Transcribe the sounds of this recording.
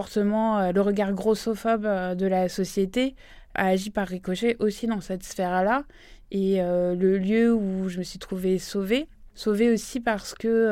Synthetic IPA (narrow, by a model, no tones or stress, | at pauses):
ɔʁt̪əmɑ̃øləʁəɡaʁɡʁosɔfɔbd̪əlasɔsjet̪e | a̰ːʒipaʁːikɔʃeʔosid̪ɑ̃sɛt̪sfɛʁla | eøləljøuʒəməsɥit̪χuvesovesoveosipaʁsə̥kə